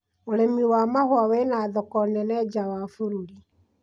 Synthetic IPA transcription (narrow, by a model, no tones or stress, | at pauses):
oɾemiwaːmahwawɛnaːðɔkɔnɛnɛd͡ʒawafuɾuɾi